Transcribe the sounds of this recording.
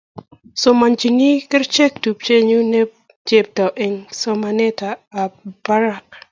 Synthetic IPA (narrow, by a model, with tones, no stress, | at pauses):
so˨ma˨nd͡ʒi˨ni˦kə˦ɾt͡ʃɛ˦k̚tu˨p̚t͡ʃe˦ɲu˦nɛ˦ | d͡ʒe˨p̚ta˨wʔɛ˨ŋso˦ma˨ne˦taː˨b̥a˦ɾa˨k̚